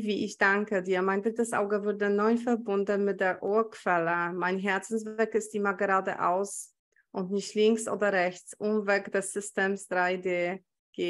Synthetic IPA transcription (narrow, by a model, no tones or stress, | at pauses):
viːʔɪçd̥aŋkədiːɐmaɪndʁɪtəsʔa̰ʊɡəvʏɐdənɔʏfɛɐbʊndnmɪt̚d̥eːɐʔoːɐkv̥ɛləmaɪnɦɛɐt͡sn̩sv̥ɛkɪst̚d̥imaɡəʁaːdə̰ʔa̰ʊs | ʔʊntnɪçtlɪŋksʔo̰ːdɐʁɛçt͡sʔʊmvɛkd̥ɛsz̥ʏsteːmsd̥ʁaɪdeː | ɡ̥eː